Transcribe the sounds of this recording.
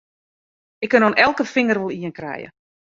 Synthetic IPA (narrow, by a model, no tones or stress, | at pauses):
ɪkːənɔnɛlˠkəfɪŋərəlˠiənkrɛ̰jə̰